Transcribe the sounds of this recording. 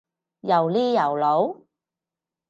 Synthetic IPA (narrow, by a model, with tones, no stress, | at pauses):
jɐ˨˩wliː˥jɐ˨˩wlo˨˧˥w